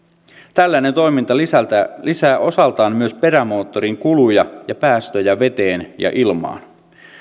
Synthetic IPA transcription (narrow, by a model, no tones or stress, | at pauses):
t̪ælːænent̪o̞jmint̪ɑit̪ælisæːʔo̞sɑlt̪ɑːnmyø̞spe̞ɾæmo̞ːt̪ːo̞ɾiŋkulujɑjɑpæːst̪øjæʋe̞t̪eːnjɑ̰ʔilmɑ̰ːn